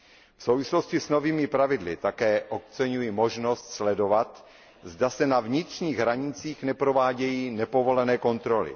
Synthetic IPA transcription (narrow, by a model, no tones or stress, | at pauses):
fsowvɪslo̞scɪsno̞viːmɪpɾavɪdlɪ̰t̪akɛːʔo̞kt͡sɛɲujimo̞ʒno̞st̪slɛdo̞vat̪ | zdasɛnavɲɪt̪r̝̥ɲiːɣɦɾaɲɪt͡siːxnɛpɾo̞vaːɟɛjiːnɛpovo̞lɛnɛːko̞nt̪ɾo̞lɪ̰